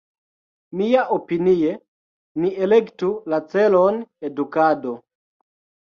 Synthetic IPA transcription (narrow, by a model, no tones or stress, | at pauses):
mijaʔopinie | nielektulat͡selonedukado